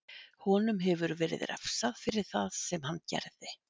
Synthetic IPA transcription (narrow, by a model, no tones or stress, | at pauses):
hɔːnʏmɦɛvʏɾvɛːɾɪ̰ðɾɛ̰fsaðfɪɾɪɾ̥θaðsɛmhanːcɛ̰ɾðɪ